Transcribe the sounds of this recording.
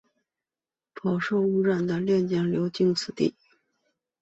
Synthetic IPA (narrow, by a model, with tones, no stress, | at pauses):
pʰɑ˨˩ʊʂo˥˧ʊu˥˧ɻa˥˩nd̪ə˩ljɛ˥˧nt͡ɕjɛ˥˩ŋljo˧˥ʊt͡ɕi˥ŋt͡sʰɹ̩˨˩t̪ḭ˥˩